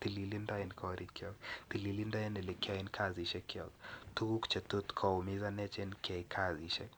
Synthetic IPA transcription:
tililindainkʰɔɾikɔkt̪ililindainɛlikainkʰaziʃɛkiɔk̚tuɡukt͡ʃɛtutkʰɔumizanɛt͡ʃɛnkʰɛikʰaziʃɛ

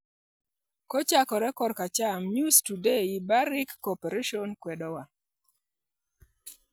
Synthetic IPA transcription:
kot͡ʃakɔɾɛkɔdkat͡ʃamjustudeibaɾikːopeɾeʃɔnkwɛdɔwa

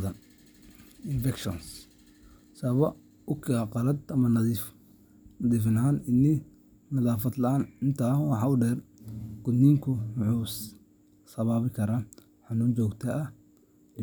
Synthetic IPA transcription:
ðɐn | ɪnfɛkʃɔ̰ns | sɐβɐ | ʊkʰɪaqɑlɐd̪ɐmɐnɐðif | nɐðiːfɪnaːnɪnːɪ | nɐðaːfɐd̪lɐaːnɪnt̪ʰaːwɑħɑːʊɖɛrɡ̥ʊd̪niŋkʰʊmʊħuːs | sɐβaːβɪkʰɐɾaː | ħɑnuːnt͡ʃɔːɡt̪ʰɐː

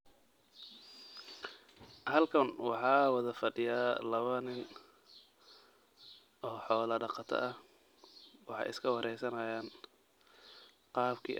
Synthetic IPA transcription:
hɐlkʰɐnwɑħɑːwɑðɐfɐɖɪjaːlɐβɐnɪn | ʔɔːħɔːlɐɖɑqɑt̪ʰɐ̰ʔɐh | wɑ̰ħɑ̰jɪ̰skʰɐwɑɾʔɛjsɐnɐjaːn | qɑːbkʰḭː

